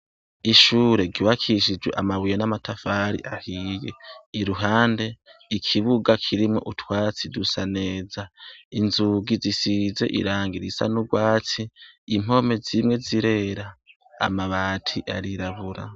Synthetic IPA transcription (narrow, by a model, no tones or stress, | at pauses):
iʃuːɾe̞ɡiwakʰiʃid͡ʒwḛʔamaβujenamatʰafaɾḭʔahiːjḛiɾuɦaːnde̞ikʰiβuɡakʰiɾimŋo̞̰ʔutwaːt͡sidusane̞ːzainzuɡizisize̞̰ʔḭɾaːŋɡiɾisa̰nuɡwaːt͡siːm̥o̞me̞zimŋe̞ziɾe̞ɾa | a̰maβaːtʰiʔaɾiɾaβuɾa̰